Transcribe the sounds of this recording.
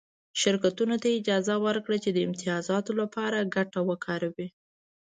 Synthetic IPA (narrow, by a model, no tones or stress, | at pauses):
ʃɪɾkat̪unot̪aɪd͡ʒɑzawəɾkɽat͡ʃed̪əɪmt̪ɪjɑzɑt̪olapɑɾaɡaʈawəkʰɑɾawi